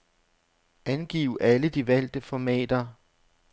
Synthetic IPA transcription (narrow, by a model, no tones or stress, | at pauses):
ʔænɡ̥ḭːʊʔæləd̥iʋæl̰d̥əfɒmɛ̰ːd̥ɐ